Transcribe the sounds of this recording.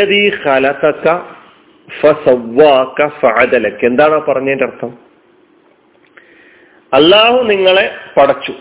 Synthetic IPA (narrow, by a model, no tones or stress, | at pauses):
ɐðiːxɐlɐt̪ɐkːɐ | fɐsɐwːaːkɐfɐʕad̪ɐlɐkːe̞nd̪aːɳoːpɐrɐɲːeːndɐrt̪ʰːɐm | ɐlːaːhuniŋːɐɭe̞pɐɽɐt͡ɕːu